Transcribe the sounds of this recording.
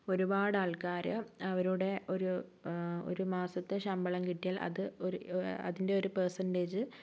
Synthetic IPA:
o̞ɾubaːɽaːɭkaːɾɨɐʋɐɾuɽe̞ʔo̞ɾu | o̰ɾumaːsɐt̪ːeɕɐmbɐɭɐmkiʈːijaːlʔɐ̰ðɨoɐ̰ðinde̞o̞ɾupersɐndeːd͡ʑɨ

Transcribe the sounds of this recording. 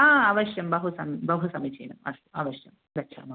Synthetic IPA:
aːɐʋɐɕjɐmbɐɦusɐmibɐɦusɐmit͡ɕḛjnɐmɐʂɐɐʋɐɕjɐm | bɐɕʰa̰ːmɐ

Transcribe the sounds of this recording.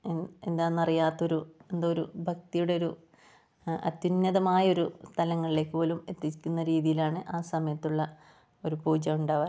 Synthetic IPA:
end̪aːnːɐrijaːt̪ːɐo̞ɾue̞nd̪ooɾubʱɐk̚t̪ijuɽe̞o̞ɾu | ɐ̰t̪junːɐðɐmaːjɐo̞ɾust̪ʰɐlɐŋːɐɭile̞kʲːɨpo̞ːlume̞t̪ːikʲːunːɐɾiːðijilaːɳɨʔaːsɐmɐjɐt̪ːuɭːɐ | o̞ɾupuːd͡ʑɐmuɳɖaːʋɐ

